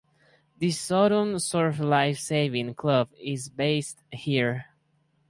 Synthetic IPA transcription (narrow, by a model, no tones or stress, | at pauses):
ðisɔɾə̃nsɜɹflaɪfseɪvĩŋkʰlʌbɪzbeɪsthiɹ